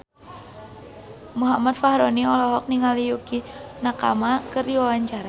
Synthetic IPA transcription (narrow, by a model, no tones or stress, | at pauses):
muɦamat̪̚fahɾoniɔlɔɦɔk̚niŋalijukinaka̰makərdiwawaɲt͡ʃaɾa